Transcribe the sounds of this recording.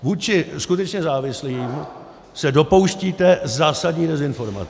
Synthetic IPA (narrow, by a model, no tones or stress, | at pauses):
vuːt͡ʃɪskut̪ɛt͡ʃɲɛzaːvɪsliːm | sɛdo̞powʃciːt̪ɛzaːsadɲiːdɛzɪnfo̞ɾma̰t͡s